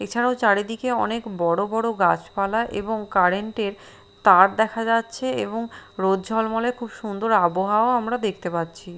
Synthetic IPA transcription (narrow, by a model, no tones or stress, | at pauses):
et͡ɕʰaɽawt͡ɕaɾed̪ikeɔnekbɔɽobɔɽoɡat͡ɕpalaʔḛboŋkaɾeɳʈeɾ | t̪aɾd̪ɛkʰad͡ʑatːɕʰeḛboŋɾod̪d͡ʑʱɔlmɔlekʰubʃund̪oɾaboɦaoamɾad̪ekʰt̪epatːt͡ɕʰi